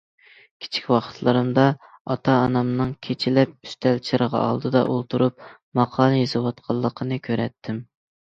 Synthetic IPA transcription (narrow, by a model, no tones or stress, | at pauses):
kʲʰi̥t͡ʃʰi̥kʲwɑqʰə̥t̪ʰlˠɨɾɨmd̪ɑ | ɑt̪ʰɑːnɑmnɨŋkʲʰet͡ʃʰilɛp̚y̥st̪ʰɛlt͡ʃʰiɾəʁɑ̰ʔɑ̰lˠd̪ɨd̪ɑ̰ʔolˠt̪ʰuɾup̚ | mɑqʰɑːlˠɨjezɨwɑt̪qʰɑlˠːəqʰənɨkʲʰøɾɛ̰t̪ʰːɪm